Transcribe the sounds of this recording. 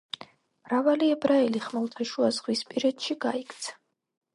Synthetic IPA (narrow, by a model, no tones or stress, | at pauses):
mɾavaliɛbɾaɛliχmɛlˠt̪ʰaʃuazʁwispʼiɾɛt̪ʃiɡaikʰt̪sʰḁ